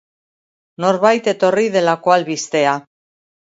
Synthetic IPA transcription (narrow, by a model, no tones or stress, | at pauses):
no̞ɾβajt̪e̞t̪o̞rið̞e̞lako̞alβist̪e̞a